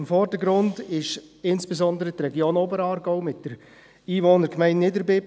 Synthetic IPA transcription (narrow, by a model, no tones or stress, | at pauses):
mfɔrdəɡɾʊndɪʃ | ɪnsb̥ezɔndəɾət̪rɛɡjoːnobəɾɑːɾɡɔʊmɪt̚d̥əɾ | iːʋoːnəɾkmɛɪntnɪdəɾbɪp